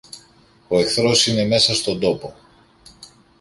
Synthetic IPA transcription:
oe̞kθɾo̞sine̞me̞sɐst̪o̞nd̪o̞po

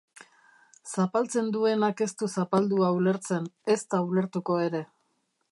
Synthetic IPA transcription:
sapalt͡se̞nd̪ue̞nake̞st̪usapald̪uaule̞ɾt͡se̞ne̞st̪aule̞ɾt̪uko̞e̞ɾe̞

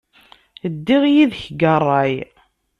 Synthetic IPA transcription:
əd̪ːiʁjiðçɡərˤːɑj

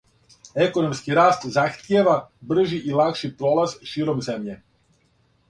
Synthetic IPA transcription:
e̞ko̞no̞mskiɾaːst̪zaxt̪jeʋabr̩ʒiʔilˠakʃipɾolˠazʃiːɾo̞mzemʎe

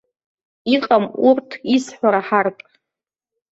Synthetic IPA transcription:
iqʼamurtʰisħʷaɾaħarpʼ

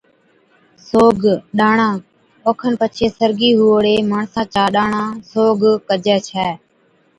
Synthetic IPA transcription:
soːɡɗaːɳãː | oːkʰənpət͡ʃʰeːsəɾɡiːɦuːəɽeːmaːɳsãːt͡ʃaːɗaːɳãːsoːɡkəd͡ʒɛːt͡ʃʰɛː

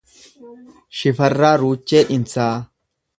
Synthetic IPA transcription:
ʃɪfɐrːaːɾuːt͡ʃːeːʔɪnt͡saː

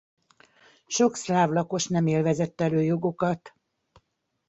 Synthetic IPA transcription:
ʃo̞kslaːvlɒko̞ʃnɛmeːlvɛzɛt̪ːɛløːjo̞ɡo̞kɒt̪

